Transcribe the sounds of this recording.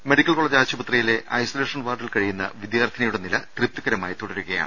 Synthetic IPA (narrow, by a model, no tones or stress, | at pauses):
meɽikʲːɐlko̞ɭɐd͡ʑaːt͡ɕːɐbɐt̪rɐjile̞ʔɐjsɐleːʂɐnʋaːʈːilkɐɻijunːɐ̰ʋid̪jaːrt̪ʰːinɐjuɽenilɐt̪rip̚t̪ːuɣɐɾɐmaːjit̪oɽɐɾuɣɐja̰ːɳ